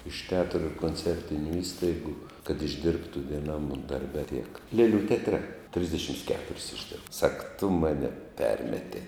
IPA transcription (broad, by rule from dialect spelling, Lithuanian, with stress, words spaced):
ɪʃ tʲɛˈɑːtrʊ ɪr koːnʲˈt͡sʲɛrʲtʲɪnʲʊ ˈiːstɐɪɡʊ kɐt ɪʒʲˈdʲɪrptʊ ʋʲiɛˈnɐm dɐrʲˈbʲɛ tʲiɛk ˈlʲeːlʲuː tʲɛɐtʲˈrʲɛ ˈtʲrʲɪzʲdʲɛʃʲɪms ˈkʲæːtʊrʲɪs ɪʒʲˈdʲɪrp sɐk tʊ ˈmɑːnʲɛ ˈpʲɛrʲmʲɛtʲɛɪ